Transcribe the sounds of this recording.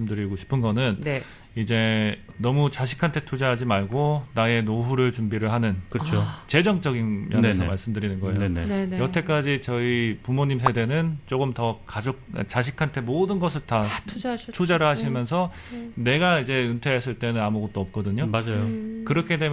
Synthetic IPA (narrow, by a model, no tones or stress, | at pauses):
ɯmdɯɾiɡoɕʰi̥pʰɯnɡʌnɯn | id͡ʑe̞nʌmut͡ɕaɕʰi̥kʰantʰe̞tʰud͡ʑaɦad͡ʑimaɭɡonae̞noɦuɾɯɭt͡ɕumbiɾɯɭɦanɯnkɯt͡ɕʰot͡ɕe̞d͡ʑʌŋt͡ɕ͈ʌɡinmjʌnes̬ʰʌmaɭs͈ɯmdɯɾinɯnɡʌejoenejʌtʰe̞k͈ad͡ʑit͡ɕʌipumoɲims̬ʰe̞de̞nɯnt͡ɕ͈oɡɯmtʌkad͡ʑok̚t͡ɕaɕ̬ʰikʰantʰe̞modɯnɡʌs̬ʰɯɭta | tʰud͡ʑaɾɯɭhaɕʰimjʌns̬ʰʌ | ne̞ɡaid͡ʑe̞ɯntʰwees͈ʰɯɭt͈e̞nɯnamuɡʌt̚t͈oʌp̚k͈ʌdɯɲomad͡ʑajokɯɾʌkʰe̞de̞m